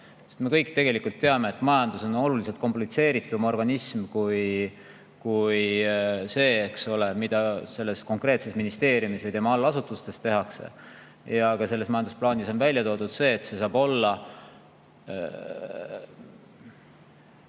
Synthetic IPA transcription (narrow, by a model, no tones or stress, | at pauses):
set̪me̞kɤjkˑt̪e̞ɡe̞likult̪ːe̞ɑme̞ːt̪ːˑmɑjɑnd̪uso̞no̞lulis̬elt̪̚ko̞mplit̪se̞ːɾit̪ːˑumo̞rɡ̥ɑnismkuj | kujse̞ːksole̞mid̪̥ɑse̞lːe̞sko̞ŋkre̞ːt̪se̞sminist̪e̞ːɾjumisvɯjt̪e̞mɑɑlːɑsut̪ˑust̪e̞st̪e̞ɦɑksḛ | jɑɡ̥ɑse̞lːesmɑjɑnd̪usplɑːniso̞nvælʲjɑt̪o̞ːd̪ud̪̥se̞ːt̪se̞sɑːb̥o̞lːɑ